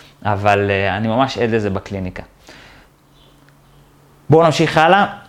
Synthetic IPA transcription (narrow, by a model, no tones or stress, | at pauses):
avaleanimamaʃedlezebaklinika | bonamʃiχala